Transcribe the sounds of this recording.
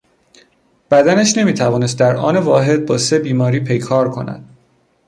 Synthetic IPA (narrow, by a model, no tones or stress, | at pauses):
b̥æd̪ænæʃne̞miːt̪ʰævɒːne̞s̬t̪̚d̪æɾʔɒ̰ːnevɒːɦe̞d̪̚bɒːse̞biːmɒːɾiːpʰe̞jkʰɒːɾkʰo̞̰næ̰d̪̥